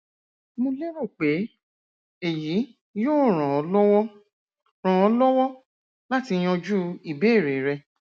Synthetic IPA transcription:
mõ˧le˦ɾo˦˨k͡pe˨˦ | e˨ji˨˦ | joː˦˨ɾ̃ã˨ɔ˨˦lɔ˦wɔ˦ | ɾ̃ã˨ɔ˧lɔ˦wɔ˦ | la˦ti˧j̃ɔ̃˧d͡ʒu˦i˨be˨˦e˦˨ɾe˨ɾɛ˧

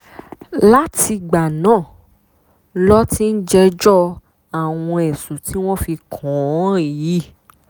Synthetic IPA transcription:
la˦ti˧ɡ͡ba˨nãː˦˨ | lɔ˦ti˦n̩˦d͡ʒɛ˧d͡ʒɔ˦ | a˨w̃ɔ̃˧ɛ˨su˨ti˦w̃ɔ̃˦fi˧kʰɔ̃˨˦i˨ji˨˦

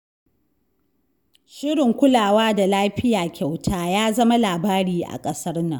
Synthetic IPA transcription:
ʃɪ˦ɽɪ˨ŋkʷʊ˦laː˨waː˦da˨laː˦ɸɪ˦jaː˨kʲa˨wtʰaː˦jaː˦zɐ˦ma˦laː˨baː˦ɾiː˦ʔa̰˨kʼɐ˦sɐ˦rnɐ̰˨ŋ

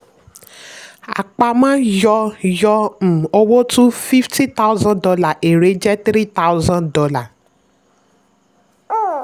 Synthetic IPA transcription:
a̰˨k͡pa˧mãː˦jɔ˧jɔ˧m̩˨o˧wo˦tũ˦fi˦fti˦t̪a˦u˦zã˦dɔ˧la˨ʔe˨ɾe˨˦d͡ʒɛ˦t̪ɾi˦ta˦wzã˦dɔ˧la˦˨

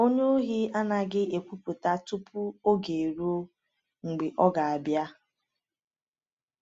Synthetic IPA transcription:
o˦ɲe˦o˦ɦi˦a˦na˨ɡɪ˦e˨kʷu˦pu˨ta˦tu˦pu˦o˦ɡe˨ɾu˦o˦ | ŋ͡m̩˨ɡ͡bɪ˨ʔɔ˦ɡa˨a˨bja˦

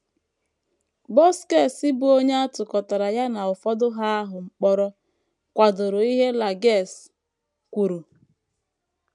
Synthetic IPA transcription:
bɔ˦ske˦˨sɪ˦bʊ˨o˦ɲe˦a˦tʊ˨kɔ˨ta˨ɾa˨ja˦na˨ʊ˨fɔ˦dʊ˦ɦa˦a˦ɦʊ˨ŋ͡m̩˨k͡pɔ˦ɾɔ˦ | kʷa˨dʊ˨ɾʊ˨i˦ɦe˦la˨ɡe˦˨s | kʷu˨ɾu˨

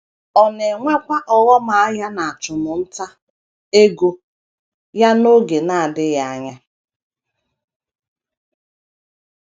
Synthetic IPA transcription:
ɔ˨ne˨ŋʷe˦kʷa˦ʔɔ˨wɔ˦ma˨a˦ja˦na˨a˨t͡ʃʊ˨nʊ˨n̩˦ta˦ | e˦ɡo˦ | ja˦no˦ɡe˨na˦a˨dɪ˦ja˦a˦ɲa˦

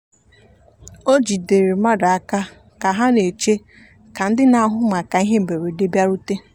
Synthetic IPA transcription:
o˦d͡ʒi˨de˨ɾe˨ma˦da˨a˦ka˦ | ka˨ɦa˦ne˨t͡ʃe˦ | ka˨n̩˦dɪ˦na˨˦ɦʊ˦ma˨ka˨i˦ɦe˦m̩˨be˨ɾe˨de˦bja˦ɾu˦te˦

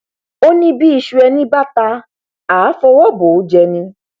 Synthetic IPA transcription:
o˦nĩ˦bi˦i˧ʃu˧ɛ˧nĩ˦ba˦ta˧ | aː˨˦fɔ˧wɔ˦bo˨˦d͡ʒɛ˧nĩ˧˦

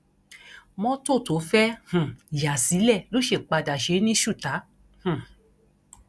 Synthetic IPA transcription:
mɔ̃˦to˦˨to˨˦fɛ˦hũ˨ja˨si˨˦lɛ˦˨lo˦ʃe˧˨k͡pa˧da˨ʃe˨˦nĩ˦ʃu˦˨ta˨˦ | hũ˨

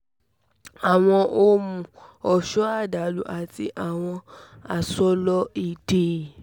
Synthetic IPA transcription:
a˨w̃ɔ̃˧ʔo˦mũ˧ɔ˨ʃɔ˦a˦˨da˨˦lu˨ʔa˨ti˧ʔa˨w̃ɔ̃˧a˨sɔ˦lɔ˦i˦˨de˨

